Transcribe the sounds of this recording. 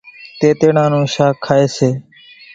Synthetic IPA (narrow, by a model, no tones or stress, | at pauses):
t̪eːt̪eːɳãːnũːʃaːkʰːaːeːseː